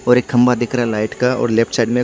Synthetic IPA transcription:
ɔːɾeːkhɐ̃mbad̪eːkʰɾaalaːɪʈkaɔ̰ːɾleːp̚ʰʈsaːɪɖmẽ

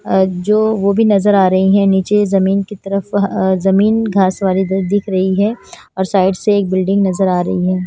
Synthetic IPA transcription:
d͡ʒoːʋobʱinɐzəɾaːɾɐɦiɦɛ̃niːt͡ʃezɐmiːnkit̪ɐɾəfɦzɐmiːnɡʱaːsʋaːlid̪d̪ɪkʰɾɐɦiɦɛ | ɔːɾsaːɪɖseːk̚bɪlɖɪ̃ŋɡnɐzəɾaːɾɐɦiɦɛː

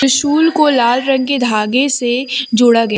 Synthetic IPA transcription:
ʊʃuːlkolaːlɾə̃ŋɡked̪ʱaːɡesed͡ʒoːɽaɡɐj

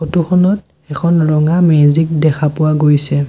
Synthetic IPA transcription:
xotuxʰɔnɔt | ɛkʰɔnɹɔŋamezik̚dɛkʰapʊwaɡojsɛ

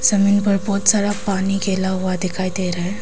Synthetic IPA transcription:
səmiːnpəɾpɔt̪saɾapaniːɡelaɦʋad̪ekʰajt̪eɾaj

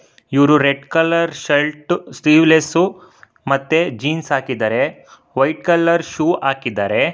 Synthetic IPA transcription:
iʋɾuɾeɖkɐlɐɾʃɐlʈsʈiːʋlesu | mɐt̪ːed͡ʒiːnsaːkid̪ɐɾe̞ | ʋɐjʈ̚kɐlːɐɾʃuːaːkid̪ːaɾe̞

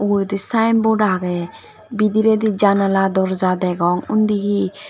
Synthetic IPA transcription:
uɡuɾd̪isajnbɔɖaɦɡɛ | bid̪iɾɛd̪id͡ʒanalad̪ɔɾd͡ʒad̪ɛɡɔŋṵnd̪iɦi

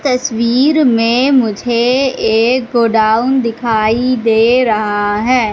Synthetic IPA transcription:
t̪ɐswiːɾmẽmʊd͡ʒʱeeːkɡoːɖaːʊnd̪ɪkʰaːid̪eːɾɐɦaɦɛː

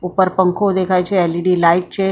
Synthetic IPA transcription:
upəɾpəŋkʰod̪ekʰajt͡ɕeɛliɖiːlaiʈ̚t͡ɕe

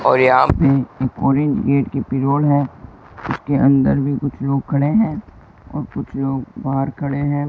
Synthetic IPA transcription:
ɔːɾjɐɦameeːkɔːɾɪ̃ɲd͡ʒɡeːʈkipɪɾoːlɦɛː | ʊskeʔɐ̃nd̪əɾbʱikʊt͡ʃʰloːɡ̚kʰɐɽeɦɛ̃ː | ɔ̰ːɾkʊt͡ʃʰloːɡbaːəɾkʰɐɽeɦɛ̃ː

